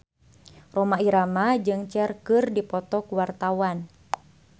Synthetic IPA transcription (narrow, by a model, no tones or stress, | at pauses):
romaiɾamad͡ʒɨŋt͡ʃɛrkɨrdipɔt̪ɔkuwart̪awan